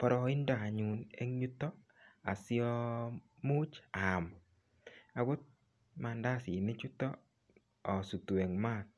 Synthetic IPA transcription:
pɔ˦ɾɔ˨ɪ˦ndɔ˨a˨ɲu˨ne˦ŋɲu˦tɔ˦ | a̰˨sɪ˦ɔ˦mu˦t͡ʃa˨m | a˨ɡʊ˦t̚ | ma˧nda˦sɪ˨nɪ˦t͡ʃu˦tɔ˦ | ɔ˨su˨twe˨ŋma˦˨t̚

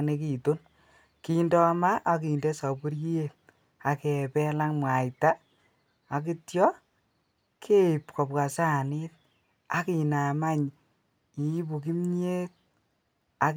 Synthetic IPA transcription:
ne˦ki˨to˦n | ki˦ndɔ˦ma˦ʔːk̬i˨nde˦sa˨bu˦ɾji˦e˦t̚ | a˨kɛ˨pɛ˦la˦ŋmwa˨jta˦ | a˨k̬i˦tjɔ˦ | kʰe˦i˨pkɔ˨pka˨sa˦˨nɪ˦t̚ | a˨ki˨na˨ma˦ɲ | i˨˦pu˨ki˦mɲe˦t̚ | a˨

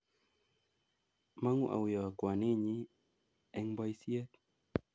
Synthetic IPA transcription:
ma˦ŋu˦ʔa̰˨wɪ˨ɔ˨kwa˨nɪ˦ɲi˦ | ɛ˦ŋba˦jsje˦t̪

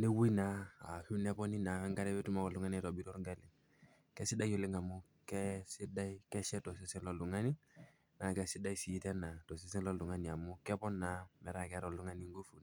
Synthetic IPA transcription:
ne˦wu˦i˦naː˨hu˦nɛ˦pɔ˦ni˦na˨wɛ˦ŋɡa˦ɾɛ˦bɛ˦tu˦ma˦kɔ˨lu˨ŋa˦ni˦˨tɔ˨bi˦ɾɔ˦ɾɡɛ˦lɪ˨ŋ | kɛ˦si˦da˦jo˨lɪ˦ŋa˨mu˦ | kɛ˦si˦da˦ikɛ˦ʃɛ˦tɔ˨s̬i˦sɛ˦nlɔ˨lu˨ŋa˦ni˦ | na˨kɛ˦si˦da˦i˦si˨˦tɛ˦na˨tɔ˨s̬i˦s̬ɛ˦nlɔ˦lu˨ŋa˦ni˨a˨mu˦kɛ˦pɔ˦nːa˨mɛ˨ɾa˨kɛ˦ɾɔ˨lu˦ŋa˦ni˦ŋɡo˦fu˨n˨

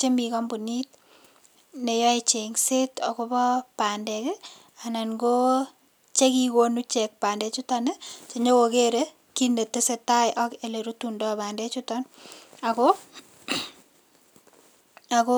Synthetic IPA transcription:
t͡ʃe˦mi˨kɔ˦mbu˨ni˦t̚ | ne˨jɔ˦e˨t͡ʃe˨ŋse˦tɔ˨ko˦bɔ˦pa˨ndɛ˨kɪ˦ | a˨na˨nɡo˦ | t͡ʃe˦ki˦ko˦nu˦t͡ʃɛ˨k̚pa˨ndɛ˨t͡ʃu˦ta˦nɪt͡ʃe˨ɲo˦wo˨ke˦ɾe˦ | ki˦ne˨te˦se˨ta˦jʔɔ˦ke˨le˨ɾu˦tu˦ndɔ˦ba˨ndɛ˦t͡ʃu˦tɔ˦na˨ko | a˨ko˦

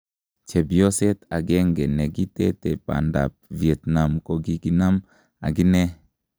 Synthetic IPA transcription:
t͡ʃɛ˨bi˨o˦sɛ˦t̪a˨ɡɛ˦ŋɡɛ˨nɛ˨ɡi˦tɛ˦tɛ˨pa̰˨nda̰˨p̚vi˨ɛ˨t̪na˨mko˦ɡi˦ɡi˦na˦m | a̰˨ɡi˦nɛ˦

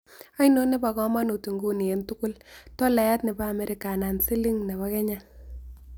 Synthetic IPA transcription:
a˦ino˦ne˦ba˨kɔ˦ma˦no˨tu˨ŋɡu˦ni˨e˨ntʊ˦kʊ˦ltɔ˦la˨ja˦tne˨baː˦˨mɛ˨ɾɪ˨ka˨na˨nsi˦li˦ŋne˨βa˦kɛ˦ɲa˦

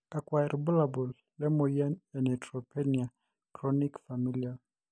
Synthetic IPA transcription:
ka˨kwaɛ˨ɾbu˦labɔ˨lːɛ˦mojɛ˦nɛ˨nɛ˨tɾɔpɛnia˨ | kɾɔnikfa˨milia˨

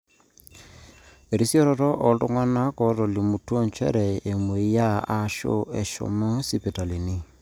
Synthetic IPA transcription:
e˨ɾi˦si˦ɔ˦ɾɔ˨tɔ˦ʔɔ˨˦ltʊ̰˦ŋa˦na˦kɔ˨˦tɔ˨li˨mu˨twɔ˦nt͡ʃɛ̰˦ɾɛ˨e˨mwe˨i˦ja˦a˦ʃo̰˦ɛ˨ʃɔ̰˨mo˦si˦pi˨ta˨li˨ni˦

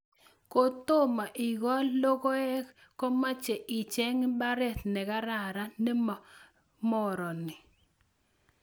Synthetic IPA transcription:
ko˨t̪o˦ma˨ʔɪ˨ɡɔ˦lːo˦ko˦ɛ˦kkɔ˦ma˦t͡ʃɛ˨ʔɪ˨t͡ʃɛ˦ŋba˦ɾɛ˦˨t̪nɛ˨ɡa˦ɾa˨ɾa˦nɛ˦˨ | mɔ˦ɾɔ˨nɪ˨

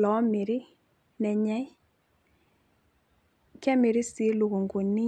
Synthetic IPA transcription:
lɔ˨˦mɪ˨ɾɪ˦ | nɛ˨ɲɛ˦j | kɛ˦mɪ˨ɾɪ˦si˨˦lo˨ɣo˨ŋɡo˨nɪ˦

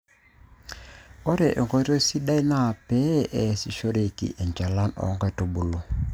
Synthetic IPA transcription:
o˦ɾe˨ʔe˨ŋɡo˦ɾo˦si˦da˦i˦na˦˨pɛ˦ʔɛ˨si˨ʃo˦ɾe˨kḭ˨ʔɛ˨ɲd͡ʒa˨la˦nɔ̰˨˦ŋɡɛ˨to˨bu˨lo˦

